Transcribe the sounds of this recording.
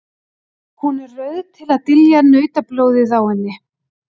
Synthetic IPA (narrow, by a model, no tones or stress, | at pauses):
hunɛrrœɥðt̪ʰɪlaðt̪ɪljanœːɥt̪aploːwðɪθawhɛnːɪ